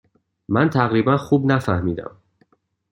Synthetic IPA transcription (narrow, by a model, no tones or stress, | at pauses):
mænt̪ʰæɣɾiːbænxuːbnæfæhmiːd̪æ̰m